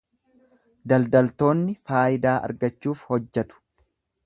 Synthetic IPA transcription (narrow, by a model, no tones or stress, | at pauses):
d̪ɐld̪ɐlt̪o̞ːnːɪfaːʔɪd̪aːʔɐ̰ɾɡɐt͡ʃːuːfhɔd͡ʒːɛt̪ʊ̥